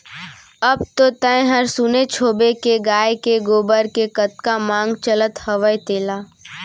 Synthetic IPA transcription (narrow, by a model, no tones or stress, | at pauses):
ɐb̚t̪ot̪ə̃ːẽɦəɾsunet͡ʃʰoːbekeɡaːjkeɡoːbəɾkekət̪̚kamãːŋɡt͡ʃələt̪hɐʋəjt̪eːlaː